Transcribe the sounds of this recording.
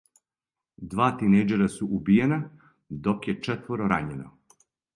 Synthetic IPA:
d̪ʋaːt̪inejd͡ʒeɾasuʔubijena | d̪o̞kjet͡ʃet̪ʋoɾoɾaɲeno̰

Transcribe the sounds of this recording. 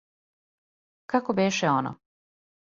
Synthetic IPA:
kakobeːʃeono̰

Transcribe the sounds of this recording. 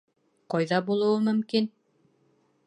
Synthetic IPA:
qɑjðɑbulˠɤ̆wɤmɵ̆mkin

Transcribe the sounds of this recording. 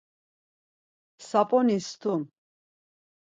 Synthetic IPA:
sapʼɔnist̪ʰum

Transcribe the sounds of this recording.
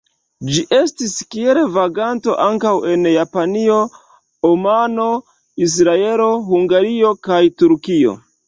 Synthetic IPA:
d͡ʒiʔe̞stiskielevaɡanto̞̰ʔaŋkawe̞njapanio̞ | omano̞ | is̬ɾae̞lo̞ɦuŋɡaɾio̞kajtuɾkio̞̰

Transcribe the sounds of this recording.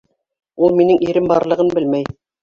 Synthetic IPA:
ulˠminɘŋʔiɾɘmbɑɾlˠɤ̆ʁɤnbɘlmæj

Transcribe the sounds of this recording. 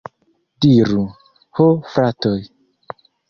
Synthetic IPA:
diɾu | hofɾatɔj

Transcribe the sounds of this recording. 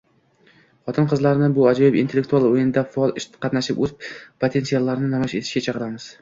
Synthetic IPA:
χɒt̪ʰɪnqʰɨzlaɾnɪbʊad͡ʒɒjɪpḭnt̪elːekt̪ʰualˠojɪnɪd̪afaɒlˠɪʃt̪qʰɑt̪naʃɪpɵzpʰot̪ʰe̞nsialˠːaɾnɪnɒmʃe̞t̪ʰɪ̥ʃkʲat͡ʃʰɑqɨɾamɪz̥

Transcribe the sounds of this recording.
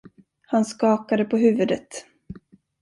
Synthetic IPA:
hanskɑːkad̪əpʰɔɦʉ̟ːvɵd̪ət̪

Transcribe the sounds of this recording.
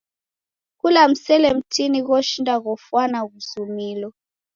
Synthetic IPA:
kulam̩sɛlɛm̩tiniɣɔʃindaɣɔfwanaɣuzumilɔ

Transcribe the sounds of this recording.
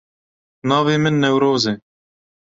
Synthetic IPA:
nɑːveːmɪnːɛwɾoːze

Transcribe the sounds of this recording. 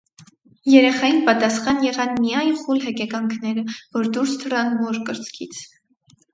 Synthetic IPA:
jɛɾɛχɑjinpɑt̪ɑsχɑnjɛʁɑnmijɑjnχulɦɛkɛkɑŋkʰnɛɾəvɔɾd̪uɾst̪ʰərɑnvɔɾkəɾt͡skʰit͡sʰ

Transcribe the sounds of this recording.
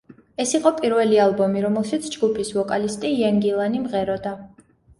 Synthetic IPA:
ɛsiqʼɔpʼiɾvɛlialˠbɔmiɾɔmɛlˠʃit̪sʰd͡ʒɡupʰisvɔkʼalist̪ʼijaŋɡilˠanimʁɛɾɔd̪a

